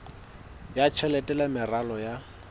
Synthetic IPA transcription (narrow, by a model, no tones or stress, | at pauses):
jat͡ʃʰɛlɛtʼɛlamɪralɔja